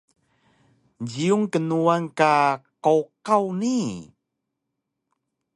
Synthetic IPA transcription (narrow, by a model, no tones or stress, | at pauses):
d͡ʑiuŋkənuaŋkaqoqawni